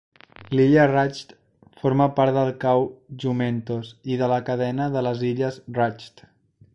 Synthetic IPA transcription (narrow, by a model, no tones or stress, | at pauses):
liʎərat͡ʃt̪ | foɾməpaɾt̪ðəlˠkawʒument̪oziðələkəðɛnəðələziʎəzrat͡ʃt̪